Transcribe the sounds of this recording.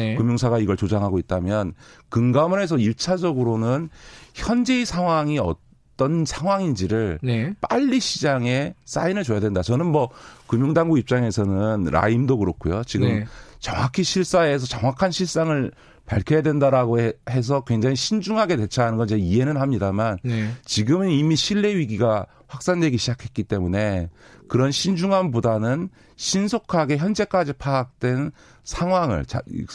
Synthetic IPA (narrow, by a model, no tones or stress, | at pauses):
kɯmjoŋsʰaɣaiɡʌɭt͡ɕod͡ʑaŋɦaɡoit̚t͈amjʌnkɯŋɡamune̞s̬ʰʌiɭt͡ɕʰad͡ʑʌɡɯɾonɯnçjʌnd͡ʑe̞isʰaŋwaŋiʌ̰t͈ | ʌnsʰaŋɦwaŋind͡ʑiɾɯɭnep͈aʎːiɕʰid͡ʑaŋe̞s͈a̰inɯɭt͡ɕojadwendat͡ɕʌnɯnmʌkɯmjoŋdaŋɡuɡip̚t͡ɕ͈aŋe̞sʰʌnɯnɾa̰imdokɯɾʌk͈ʰujot͡ɕiɡɯmt͡ɕʌŋwakʰiɕʰiɭs͈ae̞s̬ʰʌt͡ɕʌŋwakʰanɕʰiɭs͈aŋɯɭ | paɭkʰʌjadwe̞ndaɾaɡohe̞s̬ʰʌkwe̞ŋd͡ʑaŋiɕʰind͡ʑuŋɦaɡe̞de̞t͡ɕʰaanɯnɡʌnd͡ʑeie̞nɯnhamɲidamant͡ɕiɡɯmɯnimiɕʰiɭːe̞ɥiɡiɡa | ɸwak̚s͈andwe̞ɡiɕʰid͡ʑakʰe̞t̚k͈it͈e̞mune̞kɯɾʌnɕʰind͡ʑuŋɦanbudanɯn | ɕʰinsʰokʰaɡe̞çjʌnd͡ʑe̞k͈ad͡ʑipʰaːk̚t͈we̞n | sʰaŋwaŋɯ̰ɭt͡ɕa̰